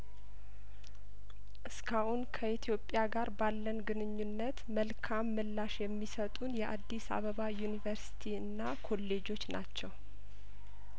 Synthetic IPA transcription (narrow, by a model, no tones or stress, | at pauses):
ʔɨskʰahunkʰəʔit̪ʰijo̞pʼːjaɡaɾbalːənɡɨnɨɲːunːət̪məlkʰamːɨlːaʃjɛmːisət̪ʼunjɛʔad̪ːisa̰βəβajunivəɾsi̥t̪ʰiɨnːakʰo̞lːe̞d͡ʒo̞t͡ʃːnat͡ʃːɛw